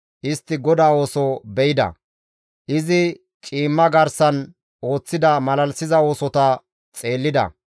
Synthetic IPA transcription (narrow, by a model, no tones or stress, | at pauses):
ʔɪst̪ːɪɡɔd̪aːo̞ːsɔbɛjɪd̪ɐ̰ | ʔɪzɪ | t͡ʃʼiːmːɐɡɐɾsɐn | o̞ːt͡sːɪd̪ɐmɐlɐlsɪzɐo̞ːsɔt̪ɐ | t͡sʼe̞ːlːɪd̪ɐ̰